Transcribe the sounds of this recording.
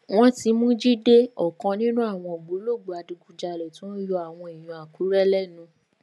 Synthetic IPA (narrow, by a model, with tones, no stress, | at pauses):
w̃ɔ̃˦ti˧mũ˦d͡ʒi˦de˦ɔ˨kã˧nĩ˦nũ˦a˦˨w̃ɔ̃˧o˨ɡ͡bo˨˦lo˦˨ɡ͡bo˨˧a˧du˧ɡu˧d͡ʒa˧lɛ˨tĩ˨˦jo˧a˦˨w̃ɔ̃˧i˨j̃ũ˨a˨ku˨˦ɾɛ˦lɛ˦˨nũ˧